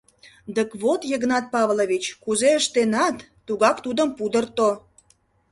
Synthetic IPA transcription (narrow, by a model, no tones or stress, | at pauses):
d̪əkβot̪jeɣnɑt̪̚pɑβloβit͡ɕkuzeəʃt̪enɑt̪ːuɣɑkt̪ud̪əmpud̪ərt̪o